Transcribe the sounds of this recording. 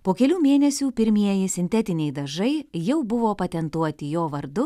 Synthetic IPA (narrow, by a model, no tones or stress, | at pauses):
poːkʲɛlʲuːmʲeːnʲɛsʲuːpʲɪɾʲmʲiɛjɪsʲɪnʲt̪ʲɛt̪ʲɪnʲɛɪd̪ɐʒɐɪjɛʊbʊʋoːpɐt̪ʲɛnt̪uɔt̪ʲɪjoːʋɐɾd̪ʊ